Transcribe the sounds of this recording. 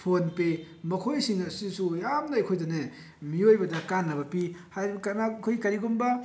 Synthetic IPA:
pʰonpe | mɐkʰojsiŋnɐsisujamnɐːjkʰojdɐne | miojbɐdɐkanːɐbɐpihajbkɐnakʰojkɐɾiɡumbɐ

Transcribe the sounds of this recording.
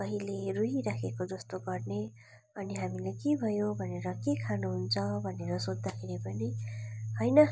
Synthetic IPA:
kʌɦileruɦiɾakʰekod͡zʌst̪oɡʌrne | ʌniɦamilekebʱʌjobʱʌneɾʌkekʰanuɦunt͡sʰʌbʱʌneɾʌsod͡zd̪akʰeɾipʌniɦʌjnʌ

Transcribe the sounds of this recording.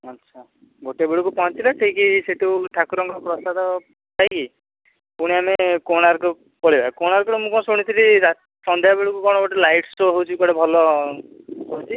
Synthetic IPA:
atːʃʰa | ɡʱoʈebeɭikupɔɦɔ̃t̪ʰilaʈʰikiseʈuʈʰakuɾɔŋɡɔpɾɔsad̪ɔ | t̪ʰajki | puɽ̃iamekoɽ̃aɾku | pɔɭibʱakoɽ̃aɾkɔɾɔmũkɔ̃soɽ̃it̪ʰiliɾa | sɔnd̪ʱjabeɭikukɔ̃ɔbɔʈilajʈsoɦewt͡ʃʰikɔɽebʱɔlɔ | kɔt͡ʃʰi

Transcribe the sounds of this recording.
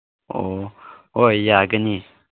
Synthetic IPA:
o | ojaɡəni

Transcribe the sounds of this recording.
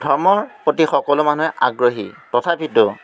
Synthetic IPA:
dʱɔɹmɔɹpotixɔkɔlʊmanuɦɛʔa̰ɡɹoɦḭtɔtʰabitʊ

